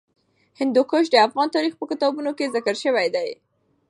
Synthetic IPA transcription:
hɪnd̪ukʊʃ̬d̪əafɣɑnt̪ɑɾixpəkɪt̪ɑbunokezɪkəɾʃəwajd̪aj

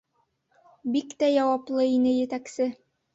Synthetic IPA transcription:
bikt̪æjɑwɑplˠɤinɘjɘ̆t̪æksɘ

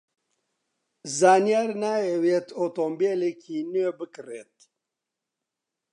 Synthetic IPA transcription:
zaːnijaːɾnaːewet̪ʰoːt̪oːmbeːlekiːnøːbɨkɨreːt̪̚

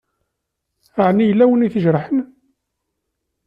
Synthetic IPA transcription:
aʕnijəlːæwəniθəʒɾˤəħən

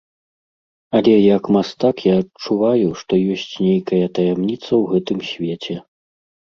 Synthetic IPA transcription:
ɐlʲɛjɐkmast̪akjaːt͡ʂːuvajuʂt̪ɔjɔsʲt͡sʲnʲejkɐjɐt̪ɐjɛmnʲit̪sɐwɣɛt̪ɨmsʲvʲet͡sʲɛ

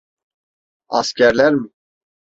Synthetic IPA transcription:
ɑ̰skɛɾlɛɾm

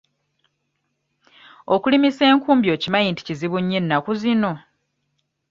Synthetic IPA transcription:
okulimise̞ːŋkuːmbjo̞ːcimajinti̥ciziβuɲːinːakuzino̞

